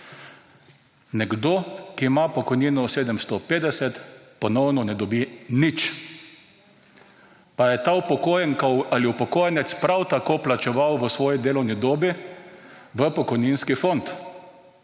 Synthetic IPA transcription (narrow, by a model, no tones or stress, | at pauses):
nɛɡd̪oːkimapɔkɔjniːnɔseːd̪ɛmst̪ɔpeːd̪ɛsɛt̪pɔnɔwnɔnɛd̪ɔbinit͡ʃ | pajɛt̪aupɔkojɛŋkaaliupɔkoːjnɛt̪spɾawt̪akoːplat͡ʃɛʋawʋəsʋɔːjid̪eːlɔwnid̪oːbi | ʋəpɔkɔjninskifont̪